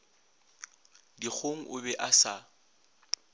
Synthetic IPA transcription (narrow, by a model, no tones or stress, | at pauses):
dik͡xʰoŋ̩ʔʊbɛʔasa